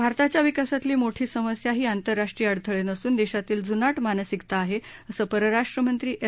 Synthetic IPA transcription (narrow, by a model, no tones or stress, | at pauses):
bʱaɾt̪at͡ɕjaʋikasat̪liːmoʈʰiːsəməsjaɦiːant̪əɾːaʂʈɾiːəɽt̪ʰəɭenəsuːnd̪eɕat̪iːld͡zunaʈʰmanəsikt̪aːɦeəsəːpəɾəɾaʂʈɾəmənt̪ɾiːʔe